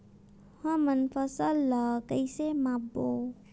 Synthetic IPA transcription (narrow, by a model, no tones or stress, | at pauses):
həmənpʰəsəlːəkəɪsemabo